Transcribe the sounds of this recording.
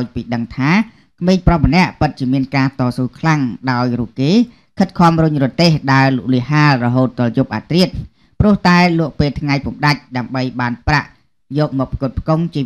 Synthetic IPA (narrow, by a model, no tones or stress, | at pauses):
jpiːɗəŋt̪ʰaː | kʰmeːŋprɑhmənɛ̆əʔpɨt̪̚t͡ɕiəmiənkaːt̪ɑːsuːkʰlaŋɗaɔjruːp̚keː | kʰɨt̪̚kʰɔ̆mrʊɲrʊ̆ət̪eːhɗaɛlluʔliəɦaːlrɔɦoːt̪̚ɗoljup̚ʔa̰ːt̪riət̪̚ | prʊ̆əht̪aɛlʊ̆əʔpeːlt̪ʰŋajpumɗac̚ɗaəmɓəjɓaːnpra̰ʔ | jɔːk̚mɔːk̚pʰkoət̪̚pʰkoŋt͡ɕiə